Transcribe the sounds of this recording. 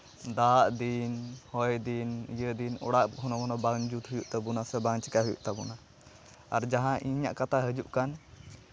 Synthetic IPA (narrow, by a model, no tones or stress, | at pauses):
d̪aʔd̪inhɔjd̪inijəd̪inɔɽaʔɦɔnɔkɔnɔbaŋd͡ʒut̪ɦujuʔt̪abunasɛbaŋt͡ʃi̥kaɦujṵʔt̪abuna | aɾd͡ʒaɦãʔiɲa̰ʔkat̪aɦəd͡ʒuʔkan